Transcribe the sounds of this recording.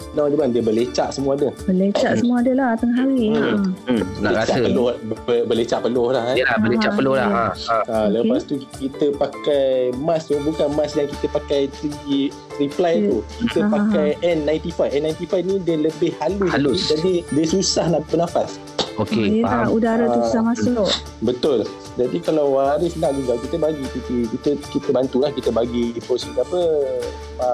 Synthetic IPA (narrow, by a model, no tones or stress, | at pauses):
laadəbandiəbəlet͡ʃaʔsəmuaːdəbəlet͡ʃaʔsəmũadəlaht̪aŋɦaɾi | bəlet͡ʃapəlobəbələt͡ʃaʔpəlɔhlahalabəlet͡ʃaʔpəlʊlaaaləpast̪ukit̪əpakajmãst̪ubukanmãsdaŋkit̪əpakajt̪ɾi | t̪ɾiplajt̪ukit̪əppakajɛnːãj̃nt̪ifajfɛnːajnt̪ifajfnĩdiələbɪhhalʊsud͡ʒadidiəsusahnabənãfas | okeaudaɾauusamasʊʔ | bət̪ʊl | d͡ʒadikalawaɾɪslaʔd͡ʒuɡakit̪əbaɡit̪ikikit̪əkit̪əbant̪ulahkit̪əbaɡiipɔsikapə | a